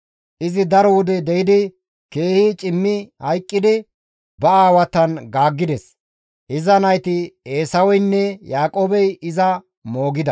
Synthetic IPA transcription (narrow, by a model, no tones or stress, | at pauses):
ʔɪzɪd̪ɐɾɔwʊd̪ɛd̪ɛjɪd̪ɪ | ke̞ːhiːt͡ʃʼɪmːɪhɐjkʼːɪd̪ɪ | bɐaːwɐt̪ːɐnɡaːɡːɪd̪ɛs | ʔɪzɐnɐjt̪ɪeːsɐwɔjnːɛjaːkʼoːbɛjɪzɐ | mo̞ːɡɪd̪ɐ